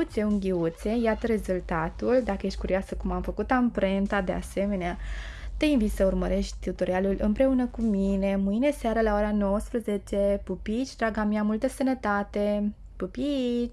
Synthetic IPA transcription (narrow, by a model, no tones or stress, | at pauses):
ut̪seuŋɡʲiut̪se̞jat̪əɾe̞zult̪at̪uld̪akəje̞ʃt̪̚ʲkuɾiasəkumamfəkut̪ampɾent̪ad̪ea̰se̞me̞neat̪einvit̪səurməɾe̞ʃt̪ʲt̪ut̪o̞ɾialulɨmpɾe̞unəkumine̞mɨjne̞seaɾəlaoɾano̞wəspɾəze̞t͡ʃe̞pupit͡ʃʲd̪ɾaɡamiamult̪əsənət̪at̪e̞ | pupi